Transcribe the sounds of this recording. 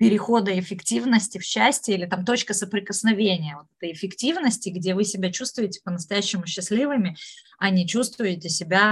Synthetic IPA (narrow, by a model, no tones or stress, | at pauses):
pʲɪɾʲɪxo̞d̪əɪfʲɪktʲivnəsʲtʲɪfɕːæsʲtʲɪilʲɪt̪amt̪o̞t͡ɕkəsəpɾʲɪkəsnɐvʲenʲɪjəvot̪ɛ̥t̪əjɪfʲɪktʲivnəsʲtʲɪɡdʲevɨsʲɪbʲat͡ɕust̪vʊjɪtʲɪ̥pənəst̪ɐjæɕːɪmʊɕːɪsʲlʲivɨmʲɪ | ɐnʲɪt͡ɕust̪vʊjɪtʲɪsʲɪbʲa